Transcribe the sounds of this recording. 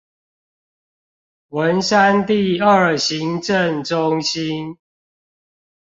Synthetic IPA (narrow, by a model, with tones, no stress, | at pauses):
wə˨˦nsa˦nt̪i˥˨ə˨˩ɕi˨˦ŋʈ͡ʂə˥˨ŋʈ͡ʂʊ˦ŋɕi˦n